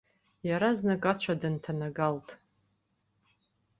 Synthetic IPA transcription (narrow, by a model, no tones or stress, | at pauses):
jaɾaznakʼat͡ɕʷʰadɨntʰanaɡaltʼ